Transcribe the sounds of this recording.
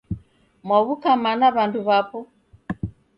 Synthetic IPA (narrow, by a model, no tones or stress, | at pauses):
mwaβukamanaβanduβapɔ